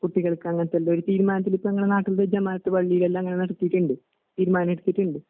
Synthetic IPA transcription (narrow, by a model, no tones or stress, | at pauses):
kuʈːiɣɐɭkːɨɐŋːɐnɐt̪ːɐlːɐoɾut̪iːɾumaːnɐt̪ːilipːoɐŋːɐɭe̞naːʈːild̪ed͡ʑɐmaːnɐt̪ːɨʋɐɭːijilelːɐɐŋːɐnenɐɽɐt̪ːijiʈːuɳɖɨ | t̪iːɾumaːnɐmeɽut̪ːiʈːuɳɖɨ